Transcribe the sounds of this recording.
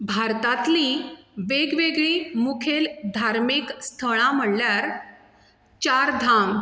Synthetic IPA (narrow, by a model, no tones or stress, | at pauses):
bʱaɾt̪at̪liʋeɡʋeɡɭiːmukʰeld̪ʱaɾmiːkst̪ʰəɭ̃ãm̤əɽljaɾ | t͡ɕaɾd̪ʱam